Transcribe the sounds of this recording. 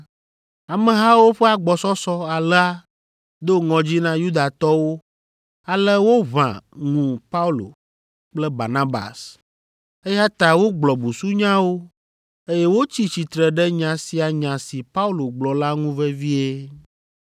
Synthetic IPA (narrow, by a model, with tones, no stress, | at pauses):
a˨mẽ˨ɦa˦wo˦ɸɛ˦a˨ɡ͡bɔ˨sɔ˦sɔ˦a˨lɛ˦a˦ | d̪o˦ŋɔ̃˨d͡ʑi˦nã˦ju˦d̪a˨t̪ɔ˦wo˦ | a˨lɛ˦wo˦βã̰˨ŋũ˨pa˦u˦lo̰˨ | k͡plɛ˦ba̰˨nã˦ba̰˨s | e˦ja˦t̪a˨wo˦ɡ͡blɔ˨bu˨su˦ɲã˦wo˦ | e˦jɛ˦wo˦t͡ɕi˦t͡ɕi˨t̪ɾɛ˨ɖɛ˦ɲã˨si˨a˨ɲã˨si˨pa˦u˦lo˨ɡ͡blɔ˨la˦ŋũ˦vɛ˦vi˦e˦